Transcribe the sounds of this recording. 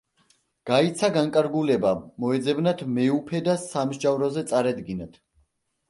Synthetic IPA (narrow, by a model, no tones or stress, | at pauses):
ɡ̥ait̪sʰaɡaŋkʼaɾɡulɛbamɔɛd̪zɛbnat̪ʰmɛupʰɛd̪asamʒd͡ʒavɾɔzɛt̪sʼaɾad̪ɡinat̪ʰ